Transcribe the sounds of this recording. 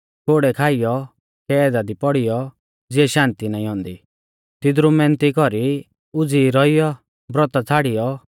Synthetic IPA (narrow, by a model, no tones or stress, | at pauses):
koːɽɛkʰaːɪjɔ | kɛd̪ad̪ipɔɽɪjɔ | d͡zɪɛʃãːnt̪inaːĩɦɔ̃ːnd̪i | t̪ɪd̪ɾumɛ̃nt̪ikɔɾi | ʊd͡ziːɾɔijɔ | bɾɔt̪at͡sʰaːɽɪjɔ